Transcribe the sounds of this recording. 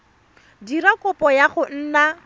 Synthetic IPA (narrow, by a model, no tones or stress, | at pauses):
dirakʼʊpʼɔjaχʊn̩ːna